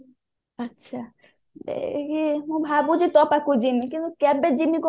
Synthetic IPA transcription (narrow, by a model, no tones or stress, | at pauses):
atːʃʰa | d̪ḛkʰiobʱabud͡ʑit̪ɔpakud͡ʑimikint̪ukɛbed͡ʑimiko